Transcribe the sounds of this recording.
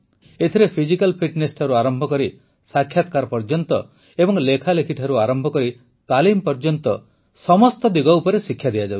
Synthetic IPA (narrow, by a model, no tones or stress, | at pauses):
et̪ʰiɾepʰid͡ʒikalpʰiʈnesʈʰɔɾuaɾɔmbʱɔkɔɾi | sakʰjat̪̚kaɾɔpɔɾd͡ʒɔnt̪ɔ | ebɔŋlekʰalekʰiʈʰaɾuaɾɔmbʱɔkɔɾi | t̪alimpɔɾd͡ʒɔnt̪ɔ | sɔmɔst̪ɔd̪iɡɔupɔɾesikʰːjad̪ijad͡ʒaw